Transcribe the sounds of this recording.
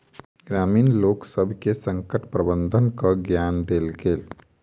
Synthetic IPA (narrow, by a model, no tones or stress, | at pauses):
ɡɾaːmiːnloːksəbʱkesəŋkəʈpɾəbənd̪ʱənkaɡjand̪elɡeːl